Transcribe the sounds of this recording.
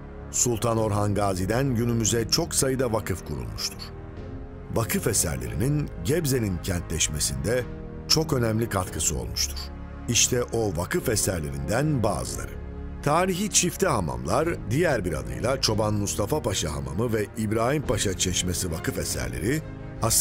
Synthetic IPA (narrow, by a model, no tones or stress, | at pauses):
sulˠt̪ʰano̞ɾɦanɡaːzid̪ænɟynymyzɛt͡ʃʰo̞ksajɯd̪avakʰɯfkʰuɾṵlˠmuʃt̪ʰuɾ̥ | vakʰɯfesæ̰ɾlʲḛɾḭninɟɛbze̞nʲincʰɛnt̪lʲɛʃmesind̪ɛ | t͡ʃʰo̞kø̞næmlʲikʰat̪kʰɯsɯo̞̰lˠmuʃt̪ʰu̥ɾ̥ | iʃt̪ʰɛʔo̞vakʰɯfesæɾlʲeɾind̪ænba̰ːzɯlˠa̰ɾɯ̰ | t̪ʰaːɾiçit͡ʃʰift̪ʰɛɦama̰mlˠaɾd̪ijæɾbiɾa̰d̪ɯ̰jlˠat͡ʃʰo̞banmust̪ʰafapaʃaɦa̰ma̰mɯvɛibɾaːhimpʰaʃat͡ʃʰɛʃmesivakɯfesæ̰ɾlʲe̞̰ɾi | as